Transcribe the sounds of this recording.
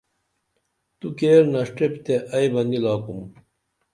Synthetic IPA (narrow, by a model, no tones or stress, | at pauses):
t̪ukeːɾnɐʂʈept̪eʔɐjbɐnd̪ilaːkum